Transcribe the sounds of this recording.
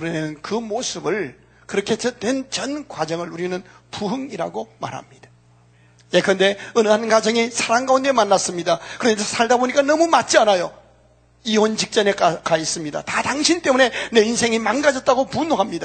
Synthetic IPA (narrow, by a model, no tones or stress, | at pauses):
kɯɾʌmenɯnkɯmosʰɯbɯɭ | kɯɾʌkʰe̞t͡ɕʌtwe̞nt͡ɕʌnkwad͡ʑʌŋɯɭuɾinɯn | puɦɯŋiɾa̰ɡoma̰ɾɦa̰mɲid̥ḁ | jekɯɾʌnde̞ɯnanɡad͡ʑʌŋisʰaɾaŋɡaunde̞manːas͈ɯmɲidakɯɾʌɲasʰaɭdaboɲik͈anʌmumat̚t͡ɕ͈ianajo | iont͡ɕik̚t͡ɕ͈ʌne̞kakais͈ɯmɲida̰tataŋɕʰint͈e̞mune̞ne̞insʰe̞ŋimanɡad͡ʑʌt̚t͈aɡopunoɦamɲida